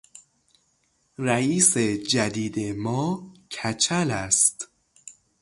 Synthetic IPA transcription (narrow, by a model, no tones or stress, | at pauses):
ɾæiːsed͡ʒæd̪iːd̪emɒːcʰæt͡ʃʰælæst̪